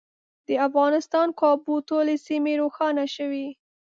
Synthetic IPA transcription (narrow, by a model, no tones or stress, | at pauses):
d̪̥əafɣɑnɪst̪ɑnkɑbut̪olesimeɾoxɑnaʃəwi